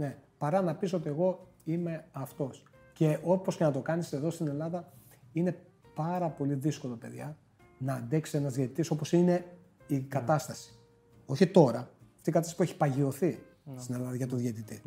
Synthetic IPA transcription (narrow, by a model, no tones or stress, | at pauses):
ne̞pɐɾɐnɐpiso̞t̪ie̞ɣo̞ime̞ɐft̪o̞s | ce̞o̞po̞scenɐt̪o̞kɐnise̞ðo̞st̪ine̞lɐðɐ | ine̞ | pɐɾɐpo̞liðisko̞lo̞pe̞ðʝɐ | nɐːnd̪eksienɐzðjet̪it̪iso̞po̞sine̞ | ikɐt̪ɐst̪ɐsi̥ | o̞çit̪o̞ɾɐɐft̪ikɐt̪ɐsipueçi̥pɐʝio̞θi | st̪ine̞lɐðɐʝɐt̪oðʝet̪it̪i